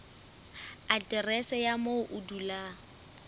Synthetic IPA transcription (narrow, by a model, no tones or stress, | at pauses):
atʼɪrɛsɛjamoʊʔʊdula